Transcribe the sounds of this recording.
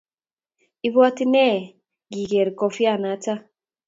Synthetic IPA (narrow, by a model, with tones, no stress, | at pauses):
i˦βɔ˦ti˦nɛ˦˨ | ɡi˨ɡe˨ɾi˨kɔ˨fja˦˨na˨˦ta˦